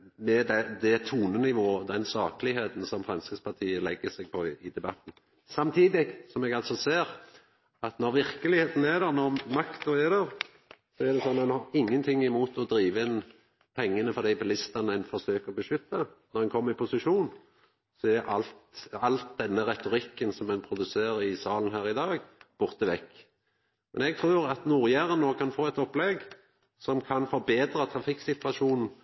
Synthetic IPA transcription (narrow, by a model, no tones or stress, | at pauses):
mɛd̪ɛd̪ɛt̪ʰuːnənɪʋoːəd̪ɛnsɑːkəlɪheːt̪n̩sɔmfɾɑnskəspʰɑt̪ʰiːəlɛɡːəsɛɡ̚pʰɔɪd̪ɛbɑt̪n̩ | sɑmt̪ʰiːd̪ɪɡsɔmɛɡɑlt̪sɔseːɾ | ɑt̪nɔɾʋɪɾkəlɪheːt̪n̩æd̪æɾnɔɾmɑkt̪ʊæd̪æɾ | sɔæʁd̪ɛsɔnːɛnhɑɾɪŋːənt̪ʰɪŋːɪmuːt̪ɔd̪ɾiːʋəɪn | pʰɛŋːənəfɔʁd̪æɪbɪlɪst̪ɑnəæɪnfɔsøːkəɔbəʃʏt̪ːənɔʁɛnkʰɔmːəɾɪpʰʊsɪʃuːn | sɔɛɾʔɑlt̪ɑlt̪̚d̪ɛnːəʁɛt̪ʊʁɪkːənsɔmɛnpʰɾʊd̪ʉseːɾɪsɑːln̩hæːʁɪd̪ɑːɡb̥ʊʁt̪əʋɛkː | mɛnɛɡ̚t̪ʰɾuːɾɑt̪nuːʁjæʁənːoːkʰɑnfoːɛt̪ɔpːlɛɡ | sɔmkʰɑnfɔɾbeːd̪ɾət̪ʰʁɑfɪksɪt̪ʋɑʂuːnn̩